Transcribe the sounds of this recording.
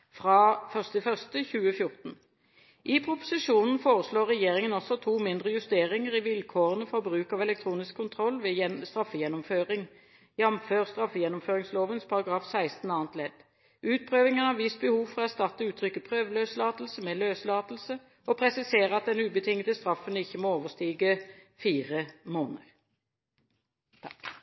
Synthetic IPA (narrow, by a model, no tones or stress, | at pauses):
fʁɑːfœʁst̪ɪfœʁst̪əçʉːəfjʊʁt̪n̩ | ʔɪpʰɾʊpʊ̥sɪʃuːnn̩foːʁəsloːʁːɛjeːʁɪŋənɔsɔt̪ʰuːmɪnd̪ʁəjʉst̪eːʁɪŋəʁɪʋɪlkʰoːʁənəfɔʁɔbʁʉːkɑʋɛlɛk̚t̪ʰʁuːnɪskʰːʊnt̪ʰʁɔlːʋeːɛst̪ʁɑfːəjɛnːʊmføːʁɪŋ | jɑmføːʁst̪ʁɑfːjɛnːʊmføːʁɪŋsloːʋənspʰɑʁɑɡʁɑːfsæɪst̪n̩ɑːənt̪lɛd̪̥ | ʉːt̪̚pʰʁøːʋɪŋənhɑʋɪst̪̚bəhuːʋfɔʁɔæʁst̪ɑt̪ːəʉːt̪ʰʁʏkːəpʰʁøːʋløːslɑːt̪l̩səmɛløːslɑːt̪l̩sə | ɔpʰʁɛsɪseːʁəɑt̪̚d̪ɛnʉːbət̪ʰɪŋət̪əst̪ʁɑfənəɪçːəmoːoːʋəst̪iːɡəfiːʁəmoːnəʁ | t̪ʰɑk